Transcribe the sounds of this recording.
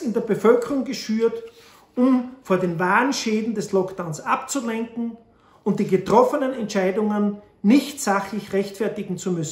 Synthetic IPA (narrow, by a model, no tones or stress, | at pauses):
ɪndeːɐbəfœlkəʁʊŋɡəʃyːɐt | ʔʊmfoːɐdeːnvaːʁənʃeːdn̩dɛslɔkd̥aʊnsʔapt͡sulɛŋkŋ̩ | ʊnt̚d̥iːɡətʁ̥ɔfənənɛntt͡ʃaɪdʊŋənː | ɪçtz̥aχlɪçʁɛçtfɛɐtɪɡŋ̩t͡sumʏsn̩